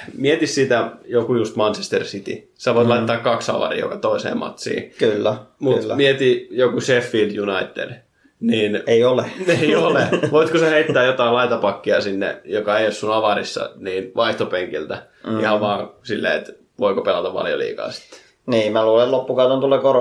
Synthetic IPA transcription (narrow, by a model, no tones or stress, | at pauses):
miet̪issit̪æjokujust̪mɑnt͡ʃest̪ersit̪ḭ | sɑʋoit̪lɑit̪t̪ːɑːkkɑksɑ̰ʋɑ̰rḭːjo̰kɑt̪oisḛːmɑ̰t̪sḭːkylːæmuːmiet̪ijokusefːiːld̪junɑit̪ːḛd̥ | niːneioleeioleʋoit̪kosɑheit̪ːæːjot̪ɑilɑit̪ɑpɑkːiɑsinːḛjokɑejossunɑʋɑrḭsːɑ̰niːnʋɑiht̪opeŋkilt̪æ | ihɑʋʋɑːsilːḛːet̪ | ʋoikopelɑt̪ɑʋʋɑ̰ljo̰lḭːkɑ̰ːsi̥t̪ːe̥ | niːmmæluːlellopːukɑut̪ent̪uleːkoro